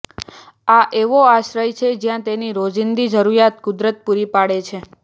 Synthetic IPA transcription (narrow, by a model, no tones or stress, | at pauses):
aʔeʋoaʃɾəjt͡ʃʰed͡ʒjãt̪eniɾod͡ʒind̪id͡ʒəɾuɾjat̪kʊd̪ɾət̪̚puɾipaɽet͡ʃʰe